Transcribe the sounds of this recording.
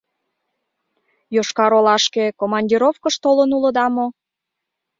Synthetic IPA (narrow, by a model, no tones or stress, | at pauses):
joʃkɑɾolɑʃkekomɑnʲdʲiɾofkəʃt̪olənulə̆d̪ɑmo